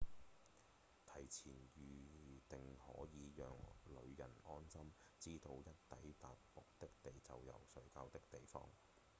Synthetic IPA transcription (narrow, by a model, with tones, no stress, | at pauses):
t̪ʰɐ˨˩jt͡sʰiː˨˩njyː˨t̪ɪ˨ŋhɔ̰ː˨˥jiː˨˧jœ̰ː˨˩ŋlɵ̰˨˧ɥjɐ̰˨˩nɔː˥nsɐ˥m | t͡siː˥t̪o˧wjɐ˥t̚t̪ɐ˨˥jt̪aː˨t̚pʊ˨k̚t̪ɪ˥k̚t̪e˨jt͡sɐ˨wjɐ̰˨˩wsɵ˨˥ɥkaː˧wt̪ɪ˥k̚t̪e˨jfɔ̰ː˥ŋ